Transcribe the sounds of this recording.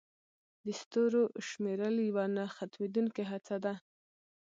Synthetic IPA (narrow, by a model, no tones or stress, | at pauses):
d̪əst̪oɾoʃmeɾəljwɑnaxat̪med̪unkeɦat͡sad̪a